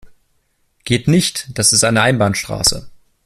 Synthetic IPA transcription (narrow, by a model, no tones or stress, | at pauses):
ɡ̥eːtnɪçtd̥asɪstʔaɪnəʔaɪnbaːnʃtʁ̥a̰ːsə̰